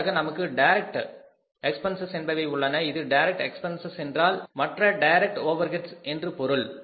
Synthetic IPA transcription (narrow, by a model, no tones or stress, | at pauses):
ɣɐnɐmɐkːɯɖɐɪɾɛk̚ʈ | ɛkspɐnsɐsɛnbɐʋɐɪʊɭːɐnɐɪðɯɖɐɪɾɛk̚ʈɛkspɐnsɐsɛndraːlmɐʈrɐɖɐjɾɛk̚ʈoːʋɐɾɣɛʈsɛndrɯpɔɾɯɭ